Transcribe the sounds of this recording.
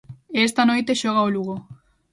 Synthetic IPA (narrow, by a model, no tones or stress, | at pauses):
est̪ano̞jt̪e̞ʃoɣaoluɣo